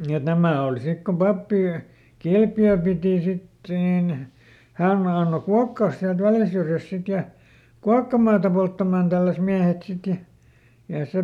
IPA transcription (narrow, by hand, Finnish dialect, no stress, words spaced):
et næmæˑ oˑl sik kom pɑpːi kilpjøː piˑti sit niˑn hæˑn ɑnːo kuɑkːɑːs siælt ʋæljæ syrjæst̆ sit jɑ kuɑkːɑmɑːtɑ poltːɑmɑːn tælːæs miæhet sit jɑ jɑ se